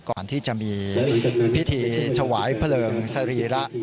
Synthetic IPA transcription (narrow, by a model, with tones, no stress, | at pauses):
kɔː˨˩nt̪ʰiː˥˩t͡ɕa˨˩ʔmiː˧ | pʰi˦˥t̪ʰiː˧t͡ɕʰa˧waː˩˦jpʰlɤː˧ŋsa˧ɾiː˧ɾa˦˥ʔ